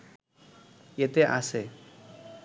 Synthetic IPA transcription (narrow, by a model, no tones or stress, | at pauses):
jet̪eʔa̰se